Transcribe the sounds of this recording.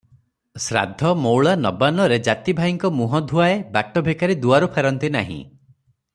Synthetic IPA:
sɾa̰d̪ʱːɔmowɭanɔbanɔɾed͡ʒat̪ibʱaiŋkɔmuɦɔd̪ʱuaebaʈɔbʱekaɾid̪uaɾupʰaɾɔnt̪ina̰ɦḭ̃

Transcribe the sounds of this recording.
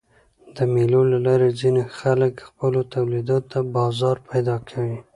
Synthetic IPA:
d̪əmelolalɑɾezinexaləkxpəlot̪awlid̪ot̪abɑzɑɾpʰajd̪ɑkʰawi

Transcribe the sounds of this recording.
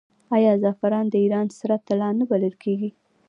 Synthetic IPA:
ɑjɑzɑfaɾɑnd̪əiɾɑnsaɾat̪ːalɑnəbaləlkʰeɡi

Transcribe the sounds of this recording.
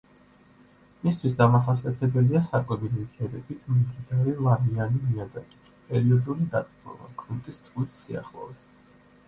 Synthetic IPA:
mist̪ʰwisd̪amaχasiat̪ʰɛbɛliasakʼwɛbilikʰɛɾɛbit̪ʰmimd̪id̪aɾɛlˠaɾianimiad̪akʼi̥pʼɛɾiɔd̪ulid̪at̪ʼqʼmɔ̰ba̰kʰɾunt̪ʼist̪sʼlit̪sia̰χlˠɔ̰vɛt̪

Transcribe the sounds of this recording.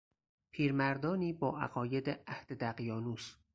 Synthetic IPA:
pʰiːɾmæɾd̪ɒːniːbɒːʔæ̰ɣɒːje̞d̪eæhd̪̥ed̪æɣjɒːnuːs

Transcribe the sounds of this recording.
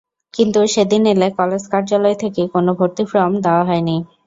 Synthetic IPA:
kint̪uʃed̪inelekɔled͡ʑkaɾd͡ʑalɔet̪ʰekekonobʱoɾt̪ifɾɔmd̪eoaɦɔeni

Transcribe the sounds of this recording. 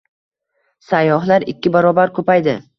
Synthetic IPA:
sajːɒɦlaɾɪkʲːɪbaɾɒbaɾkʰɵpajd̪ɪ

